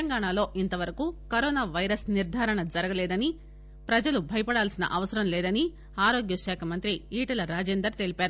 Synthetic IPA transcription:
ɐŋɡaːɳaːlo̞ːʔint̪ɐʋɐɾɐkuːkɐɾɔːnaːʋɐjɾɐsniɾd̪ʱaːɾɐɳɐd͡ʒɐɾɐɡɐlɛːd̪ɐni | pɾɐd͡ʒɐlubʱɐjɐpɐɽaːlsinɐ̰ʔɐʋɐsɐɾɐmlɛːd̪ɐni | aːɾoːɡjɐʃaːkʰɐmɐnt̪ɾiiːʈɐlɐɾaːd͡ʒeːnd̪ɾɐɾt̪e̞ːlipaːɾu

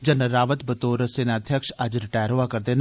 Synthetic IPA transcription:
d͡ʒənəɾaːʋət̪bət̪oːɾəsenaːd̪ʱjəkʃɐd͡ʒɾɪʈaːjəɾɦoʋakɐɾd̪en

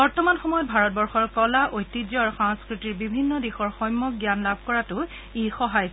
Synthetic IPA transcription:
bɔɹtɔmanxɔmɔjɔt̚bʱaɹɔt̚bɔɹxɔɹkɔlaʔojtːizɔaɹxɔŋskɹitiɹbibʱinːɔdexɔɹxɔjmːɔkɡjanlabʱkɔɹatʊ | exɔɦaj

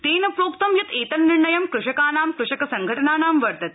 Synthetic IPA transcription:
t̪eːnɐpɾoːkt̪ɐmjɐt̪eːt̪ɐnːiɾɳɐjɐmkɾuʂɐkaːnaːmkɾuʂɐkɐsɐŋɡʱɐʈɐnaːnaːmʋɐɾt̪ɐt̪̚

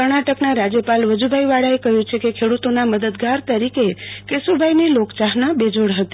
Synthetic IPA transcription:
kəɾɳaʈəknaɾad͡ʒjəpalʋəd͡ʒubʱajʋaɽaekəɦjũt͡ʃʰekekʰeɽut̪onaməd̪əd̪ɡaɾt̪əɾikekesubʱajnelokt͡ʃaɦnabed͡ʒoɽɦət̪i̥

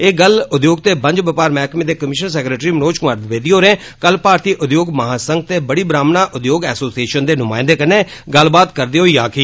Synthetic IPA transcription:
eːɡəlʊd̪joːɡ̚t̪eːbə̃ɲd͡ʒbəpaːɾmɛːkmẽd̪eːkəmɪʃəɾs̬ɛːkɾeːʈɾiːmənoːt͡ʃkʊmaːɾd̪ʋeːd̪iːɦoːɾẽː | kəlpaːɾt̪iːʔʊd̪joːɡməɦaːsəŋɡ̚t̪eːbəɽiːbɾaːmnaːʔʊd̪joːɡɛːsoːsieːʃənd̪eːnʊmaːɪ̃nd̪eːkəneːɡəlbaːt̪kəɾd̪eːɦoːiːaːkʰiː

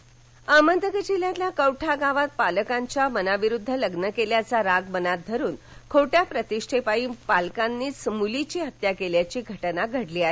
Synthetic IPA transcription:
amənd̪əɡəd͡ʑiljat̪ljakəwʈʰaɡaʋat̪̚paləkaɲt͡ɕjamənaʋiɾud̪ʱːələɡnəkeljat͡saɾaɡmənat̪̚d̪ʱəɾuːn | kʰoʈjapɾət̪iʂʈʰepaiːpalkanːiːsəmulit͡ɕiːɦət̪jakeljat͡ɕiːɡʱəʈnaɡʱəɽliːaɦe

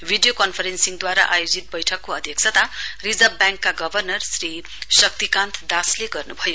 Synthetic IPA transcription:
bʱiɖijokʌnpʰʌɾensiŋd̪waɾa̰ʔajod͡zit̪̚bʌjʈʰʌkːoʌd̪ʱjʌksʰʌt̪arid͡zʌbbjãŋkːaɡʌbʱʌrnʌrsri | sʌk̚t̪ikãnt̪ʰd̪asleɡʌrnubʱʌjo

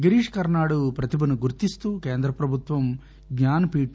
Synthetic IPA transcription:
ɡɐɾiːʂkɐɾnaːɽupɾɐt̪ibɐnuɡuɾt̪ist̪uːkeːnd̪ɾɐpɾɐbʱut̪ʋɐm | ɡɲaːnpiːʈ

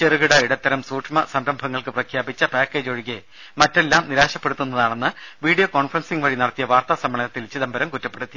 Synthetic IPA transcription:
t͡ɕerɨɣiɽɐiɽɐt̪ːɐɾɐmsuːʈʂmɐsɐmbrɐmbʱɐŋːɐɭkɨprɐkʰjaːbit͡ɕːɐpaːkːeːd͡ʑoːɻiɣe | mɐtːe̞lːaːmniɾaːɕɐpːeɽut̪ːunːɐðaːɳenːɨʋiːɽijoko̞ːɳfrɐnsiŋʋɐɻinɐɽɐt̪ːijɐʋaːrt̪asɐmːɐɳɐnɐt̪ːilt͡ɕːiðɐmbʱɐɾɐmkutːɐpːeɽut̪ːi

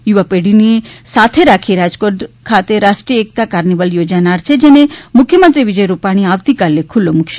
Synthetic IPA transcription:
juʋapeɽinisat̪ʰeɾakʰiɾad͡ʒkoʈkʰat̪eɾaʃʈɾiəek̚t̪akaɾniʋəljod͡ʒanaɾt͡ʃʰed͡ʒenemukʰːjəmənt̪ɾiʋid͡ʒəjɾupaɽ̃iaʋt̪ikalekʰulːomukʃ

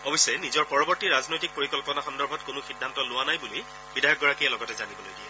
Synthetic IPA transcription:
ɔbisɛnizɔɹpɔɹɔbɔɹtiɹaznojtik̚poɹikɔlpɔnaxɔndɔɹbʱɔtkʊnʊxidʱːantɔlʊwanajbuli | bidajɔk̚ɡɔɹakijɛlɔɡɔtɛzanibɔlojɡiɛ

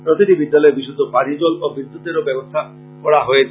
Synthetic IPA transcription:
pɾot̪iʈibid̪ːalɔebisut̪opaɽid͡ʒolobɾid̪ːut̪eɾobebost̪ʰa | kɔɽaɦojet͡ʃʰ

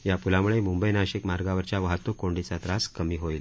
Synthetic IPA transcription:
japulamuɭemumbəjnaɕikmaɾɡaʋəɾt͡ɕjaʋaɦət̪ːokoɳɖit͡sat̪ɾaskəmiːɦoil

